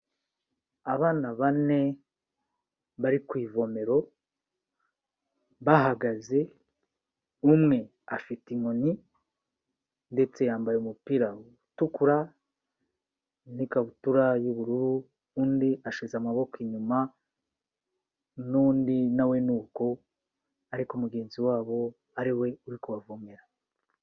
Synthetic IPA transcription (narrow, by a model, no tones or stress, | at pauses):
aβaːnaβane̞ | βaɾikwiːvo̞me̞ɾo̞ | βaɦaɡaze̞ | umŋe̞ | afitiŋo̞ni | nde̞t͡se̞jaːmbajeumupiɾa | tukuɾa | nikaβutuɾajuβuɾuɾu | uːndiʔaʃizamaβo̞kiɲuma | nuːndinawe̞nuːko̞ | aɾikumuɡe̞ːnziwaːβo̞ | aɾiwe̞uɾikuβavumeɾa